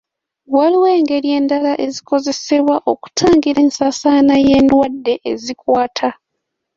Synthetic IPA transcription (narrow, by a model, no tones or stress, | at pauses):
waliwe̞ːŋɡe̞ɾje̞ːndalaʔe̞ziko̞ze̞se̞βwaʔo̞ku̥tʰaːŋɡiɾe̞ːnsasaːnaje̞ːndwadːe̞ʔːzikwaːtʰa